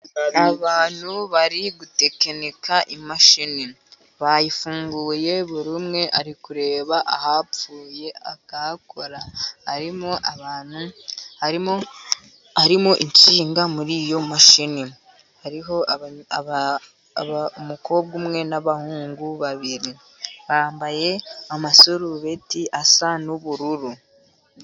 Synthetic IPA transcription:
aβaːn̥huβaɾiɡute̞kenekaʔimaʃini | βajifuːŋɡuːje̞βuɾumŋe̞ʔaɾikuɾe̞ːβaʔahapfuːje̞a̰kakʰoɾahaɾimoʔaβaːn̥huhaɾimo | haɾimoʔiɲt͡ʃiːŋɡamuɾijo̞maʃini | haɾiɦo̞ | mukʰo̞bɡumŋe̞naβahuːŋɡuβaβiɾi | βaːmbaje̞amasoɾuβetiʔasanuβuɾuɾu

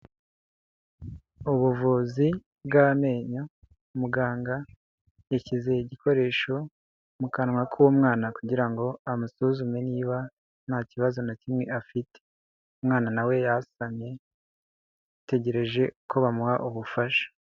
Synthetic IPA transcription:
uβuvuzi | bɡame̞ːɲo | muɡaːŋɡa | jacize̞iɟikʰo̞ɾe̞ːʃo̞ | mukanŋwakʰuwomŋaːnakuɟiɾaŋɡo̞amusuzume̞niːβa | nhaciβazo̞nacimŋe̞ʔafite̥ | umŋaːnanawe̞jasamɲe̞ | te̞ɟe̞ɾe̞ʒe̞ko̞βamuhaʔuβufaʃḁ

